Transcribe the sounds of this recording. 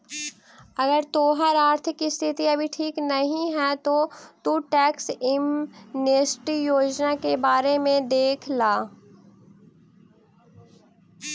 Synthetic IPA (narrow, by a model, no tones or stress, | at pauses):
ɐɡəɾt̪oːɦəɾaːɾt̪ʰɪkɪst̪ʰɪt̪iɐbʱiʈʰiːknɐɦĩɦɛt̪ot̪uʈɛːksɪmneːsʈijoːd͡ʒnakebaːɾemẽd̪eːkʰlaː